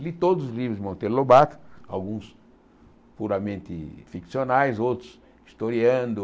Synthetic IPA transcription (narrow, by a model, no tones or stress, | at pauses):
lit̪od̪ʊzʊlivɾʊzmɐ̃t̪elobat̪a̰wɡũs | puɾɐmẽnt̪ɪfiksionajzowt̪ɾʊs | ist̪oɾiɐ̃nd̪ʊ